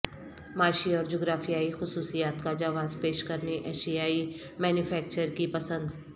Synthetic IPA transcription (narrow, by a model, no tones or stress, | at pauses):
maːʃiɔːɾd͡ʒoːɡɾaːfijaːixʊsuːsijaːt̪kad͡ʒaːʋaːzpeːʃkɐɾneʔɛːʃijaːi | mɛːnjʊfʰɛːk̚t͡ʃəɾkipɐsə̃nd̪